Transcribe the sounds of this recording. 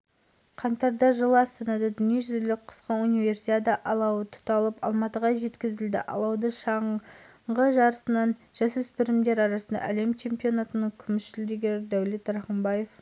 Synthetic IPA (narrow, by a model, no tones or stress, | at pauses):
qʰɑnt̪ɑɾd̪ɑʒəlˠəɑst̪ɑnɑd̪ɑd̪ʏnijeʒʏzlɪk̚qʰə̥sqəunive̞rsied̪ɑʔɑlˠɑwət̪ʰʊ̥t̪ɑlˠəpɑlˠmɑt̪əʁɑʒe̞t̪kʲɪzɪld̪ɪ̰ʔɑ̰lˠɑwd̪əʃɑɴ | ɴʁəʒɑɾəsənɑnʒ̥ɑswɵspɪɾɪmd̪e̞ɾɑɾɑsənd̪ɑ̰ʔæle̞mt͡ʃʰe̞mpio̞nat̪ənəɴkʲʰʏmɪʃʃɪld̪eɡʲeɾɪd̪æwle̞t̪ɾɑχəmbɑje̞f